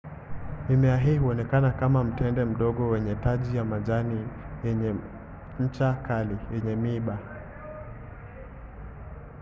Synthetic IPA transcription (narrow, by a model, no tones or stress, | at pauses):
imɛaɦiihuɔnɛkanakamam̩tɛndɛm̩ɗɔɠɔwɛɲɛtaʄijamaʄanijɛɲɛ | ɲ̩t͡ʃakalijɛɲɛmiɓa